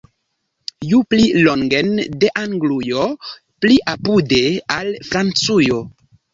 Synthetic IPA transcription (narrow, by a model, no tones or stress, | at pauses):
jupliloŋɡendeʔaŋɡlujo | pliʔapudealfɾant͡sujo